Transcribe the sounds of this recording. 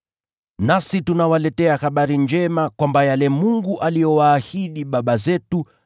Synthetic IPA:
nasitunawalɛtɛahaɓaɾind͡ʒɛmakwambajalɛmuŋɡuʔalijɔwaːhiɗiɓaɓazɛtu

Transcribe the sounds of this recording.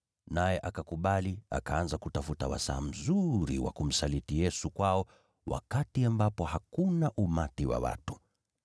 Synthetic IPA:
najɛʔakakuɓalia̰kaanzakutafutawa̰sa̰ːm̩zuɾiwa̰kum̩salitijɛsukwaɔ | wʔa̰katiambapɔhakunaʔumatiwa̰wa̰tu

